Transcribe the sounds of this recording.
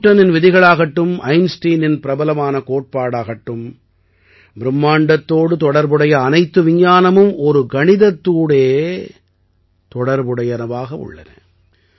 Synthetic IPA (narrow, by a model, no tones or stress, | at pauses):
ʈːɐnɪnʋɪðɪɣɐɭaːɣɐʈːɯmʔɐɪnsʈiːnɪnpɪɾɐbɐlɐmaːnɐkoːʈ̚paːɽaːɣɐʈːɯm | bɪɾɯmːaːɳɖɐt̪ːoːɽɯt̪ɔɽɐɾbɯɽɐjɐːnɐɪt̪ːɯʋɪɲːaːnɐmɯmʔɔɾɯɡɐɳɪðɐt̪ːuːɽeː | t̪ɔɽɐɾbɯɽɐjɐnɐʋaːɣɐʊ̰ɭːɐ̰nɐ̰